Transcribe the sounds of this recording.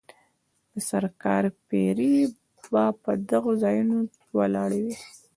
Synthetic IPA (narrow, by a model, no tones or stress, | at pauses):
d̪̥əsaɾkɑ̰ɾpeɾi | bɑpəd̪aɣozɑjuno | wa̰lɑɽawi